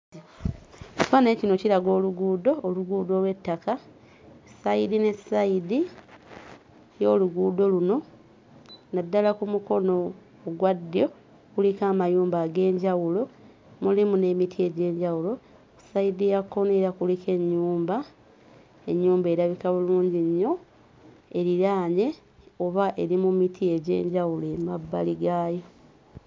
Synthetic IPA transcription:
otwane̞ːcino̞ciɾaɡo̞ːluɡuːdo̞ːluɡuːdo̞lwe̞tːaka | saidine̞saidi | jo̞ːluɡuːdo̞luno̞ | nadːalakumuko̞no̞ː | ɡwadːjo̞ | kulikaːmajuːmbaːɡe̞ːɲɟawulo̞ | mulimune̞mitʰie̞ɟe̞ːɲɟawulo̞ | ku̥saidijakːoneɾakulike̞ɲːuːmba | e̞ɲːuːmbe̞ɾaβikaβuluːɲɟiɲːo̞ | e̞ɾiɾaːɲe̞ | oβaʔe̞ɾimumitʰie̞ɟe̞̰ːɲɟawule̞mabːaliɡaːjo̞

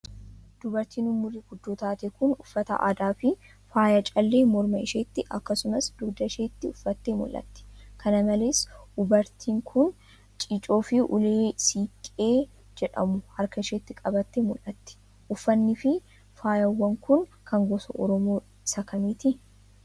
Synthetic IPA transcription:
d̪̥ʊbɐɾt̪iːnʊmːʊɾiːɡʊd̪ːoːt̪aːt̪ɛkʊnʊfːɐt̪ɐ̰ʔa̰ːd̪aːfɪ | faːjɐt͡ʃʼɐlːe̞ːmɔɾmɐɪʃeːt̪ːɪʔɐkːɐsʊmɐsd̪ʊɡd̪ɐɪʃeːt̪ːɪʊfːɐt̪ːeːmʊ̰lʔɐ̰t̪ːɛ̥kɐnɐmɐleːsʔʊbɐɾt̪ʰiːŋkʰʊn | t͡ʃʼit͡ʃʼo̞ːfɪʔʊ̰leːsiːkʼeː | d͡ʒɛᶑɐ̰mʊhɐɾkɐɪʃeːt̪ːɪkʼɐbɐt̪ːemʊlʔɐt̪ːɛ̥ | ʔʊfːɐnːɪfɪ | faːjɐwːɐŋkʊnkʰɐŋɡɔsɐ̰ʔɔɾɔmoː | ɪsɐkɐmiːt̪ɪ

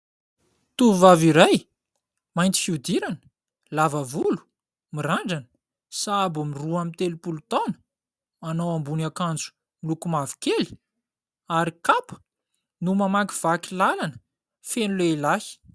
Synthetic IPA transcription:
t̪uvaviɾaj | majnt̪i̥fiud̪iɾanə̥ | lavavulu̥ | miraɳɖ͡ʐanə̥ | saabumiruamint̪elupulut̪awnə̥ | anawambunakand͡zu̥ | milukumavi̥keli̥ | aɾikapə̥ | numamaki̥v̥akilalanə̥ | fenuleilahi̥

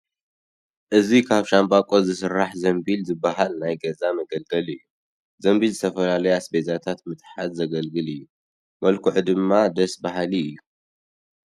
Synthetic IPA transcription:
ʔɨzikʰaβʃambʼakʼozɨsɨɾːaħzɐmbilzɨbaɦalnajɡɐzamɐɡɐlɡɐlɨjːu | zɐmbilzɨt̪ʰɐfɐlalɐjasbezat̪ʰat̪mɨt̪ʼħad̪zɐɡɐlɡɨlɨjːu | mɐlkʰuʕud̪ɨmːad̪ɐsbaɦaliɨjːu

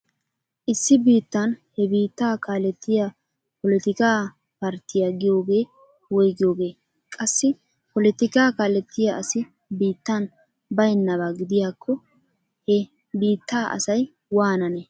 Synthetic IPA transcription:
ʔɪsːɪbiːt̪ːɐnhɛbiːt̪ːaːkaːlɛt̪ʰːɪja | pɔlɛt̪ɪkaː | pɐɾt̪ɪjaɡɪjo̞ːɡe̞ː | wɔjɡɪjo̞ːɡe̞ː | kʼɐsːɪ | pɔlɪt̪ɪkaːkaːlɛt̪ːɪjaʔɐsɪ | biːt̪ːɐn | bɐjnːɐβaɡɪd̪ɪjaːkʰːɔ | hɛ | biːt̪ːaːʔɐ̰sɐj | waːnɐnɛ

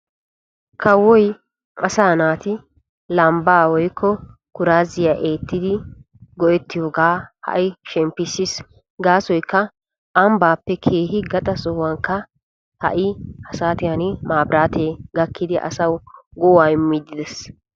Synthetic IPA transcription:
kʰɐwːɔj | ɐsaːnaːt̪ɪ | lɐmbaːwɔjkʰːɔ | kʊɾaːzɪjaʔeːt̪ːɪd̪ɪ | ɡɔʔɛt̪ːɪjoːɡaːhɐ̰ʔɪʃɛmpːɪsːɪs | ɡaːsɔjkːɐ | ʔɐmbaːpːɛkʰe̞ːhɪɡɐt̪ʼɐsɔwɐŋkːɐ | hɐ̰ʔɪɐsaːt̪ɪjɐnɪmaːbɾaːt̪eːɡɐkːɪd̪ɪʔɐ̰sɐwɡɔwaːjmːid̪ːɪd̪ɛs

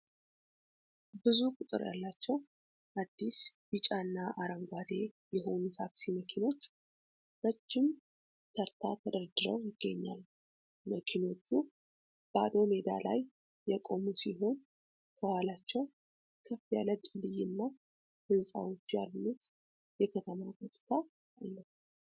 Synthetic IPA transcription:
bɨzukʼʊt̪ʼɨ̰ɾja̰lːat͡ʃːɛw | ʔad̪ːisbɨt͡ʃʼanːaʔaɾəŋɡʷad̪e̞jɛɦo̞nut̪ʰaksiməkʰino̞t͡ʃː | bət͡ʃːɪm | t̪ʰəɾt̪ʰat̪ʰəd̪əɾd̪ɨɾəwjɪɡːəɲːa̰l | məkʰino̞t͡ʃːu | b̥əad̪o̞med̪a̰lajː | ɛkʼo̞musiɦo̞n | kʰəwalat͡ʃːɛw | kʰəfijaləd̪lɨjɪnːa | hɨnsʼa̰wo̞t͡ʃːjalnut̪ | jɛkʰət̪ʰəmaɡəsʼt̪ʰa | alːəh

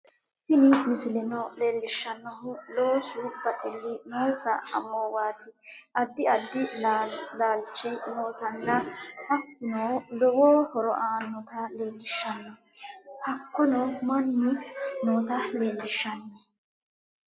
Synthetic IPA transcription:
hɪnɪmɪsɪlɛnɔleːlːɪʃːɐnːɔɦʊloːsʊbɐt̪ʼɪlːɪnoːsɐɐ̰moːwaːt̪ɪʔɐd̪ːɪɐd̪ːɪ | laːlt͡ʃːɪnoːt̪ɐnːɐhɐkːɪnolɔwoːhɔɾɔʔaːnːɔt̪ɐle̞ːlːɪʃːɐnːɔhɐkːɔnɔmɐnːɪnoːt̪ɐle̞ːlːɪʃːɐnːɔ

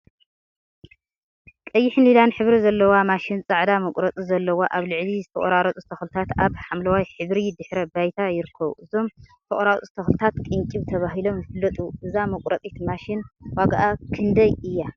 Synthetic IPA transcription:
kʼɐjːɪħlilanħɨβɾizɐlːɐwamaʃɪnt͡sʼaʕd̪amɐkʼɾɐt̪ʼizɐlːɐwaʔaβlɨʕlizɨt̪ʰɐχʼɐɾaɾɐt̪ʼust̪ʰɐxlɨt̪ʰat̪aβħamlɐwajħɨβɾid̪ɨħɾɐbajt̪ʰajɪɾɨkʰːɐβuʔɨzo̞mt̪ʰɐʔʼɾat̪ʼust̪ʰɐxlɨt̪ʰat̪kʼɨŋkʼiβt̪ʰɐβaɦilo̞mjɨfɨlːɐt̪ʼuʔɨzamɐkʼɾɐt̪ʼit̪maʃɪnwaɡaʔakʰɨnd̪ɐjɨjːa

